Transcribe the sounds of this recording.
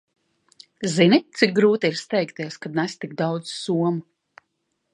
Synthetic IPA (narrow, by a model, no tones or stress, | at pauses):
zinit̪sik̚ɡɾuːt̪iiɾst̪ɛjkt̪iɛskad̪̚næst̪iɡ̚d̪awd̪z̥suɔmu